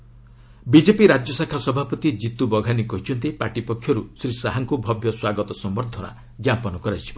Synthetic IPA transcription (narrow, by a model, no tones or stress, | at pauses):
bid͡ʒepiɾad͡ʒjɔsakʰasɔbʱapɔt̪id͡ʒit̪ubɔɡʱanikɔɦit͡ʃʰɔnt̪ipaʈipɔkʰːjɔɾusɾisaɦaŋkubʱɔbʱjɔswaɡɔt̪ɔsɔmbɔɾd̪ʱɔna̰ | ɡjapɔnɔkɔɾajt͡ʃʰi̥bɔ